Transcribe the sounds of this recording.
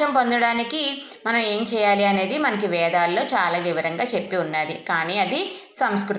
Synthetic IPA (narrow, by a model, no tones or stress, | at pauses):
ɐmpo̞nd̪ɐɽaːnikimɐnɐme̞ːɲt͡ʃɛːjaːliɐne̞ːd̪imɐnɐkiʋɛːd̪aːlːo̞ːt͡ʃaːlaːʋiʋɐɾɐŋɡaːt͡ʃe̞pːiunːaːd̪ikaːniːɐd̪i | sɐmskɾu